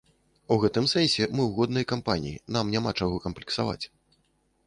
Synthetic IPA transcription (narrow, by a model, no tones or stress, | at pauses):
uɣɛt̪ɨmsɛnʲsʲɛmɨwɣɔd̪nɐjkampanʲijinamnʲamat͡ʂaɣɔkɐmplʲiksava̰t͡sʲ